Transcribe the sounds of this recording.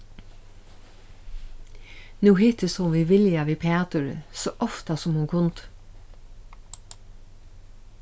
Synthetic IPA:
nuːhiːt̪əsɔmʋiːʋɪljɑʋiːpʰeːɑt̪ʉɹə̰soːʔɔft̪ɑsɔmhʉŋkʰʊnt̪

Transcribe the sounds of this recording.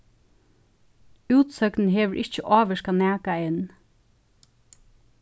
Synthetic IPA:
ʉːt̪sœkn̩ɦeːʋəɹʔɪ̰çt͡ʃəʔɑːʋəʃkanæːkaɪn

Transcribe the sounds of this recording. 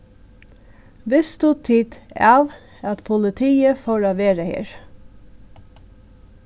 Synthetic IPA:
ʋɛst̪ut̪ʰiːd̪ɑːʋ | ɑt̪pʰʊlɪt̪ʰiːəfoːɾoːʋeːɾəhḛːɹ

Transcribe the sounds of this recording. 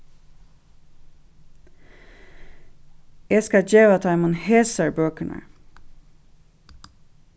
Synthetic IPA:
jæskɑd͡ʒeːʋɑt̪ʰɑɪmʊnheːsəɹbøːkəɳə̰

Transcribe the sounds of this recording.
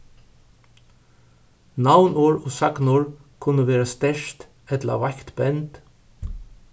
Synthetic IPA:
nawnoɹɔsɑknʊɹkʰʊnəʋeːɾast̪ɛʃt̪ | ɛt̪lə̰ʋɑkt̪bɛnt̪

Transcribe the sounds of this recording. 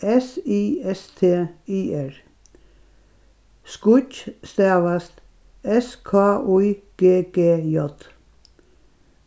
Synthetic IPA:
ɛsiːɛst̪ʰeːiːɛɹ | skʊcst̪æːʋɐst̪ | ɛskʰɑːʔuːɡ̥eːɡ̥eːjɔt̪

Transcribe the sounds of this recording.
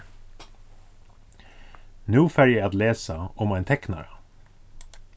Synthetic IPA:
nuːfæɹjæɪɑːd̪leːsəʊmæɪnt̪ʰɛknɑ̰ɹɑ

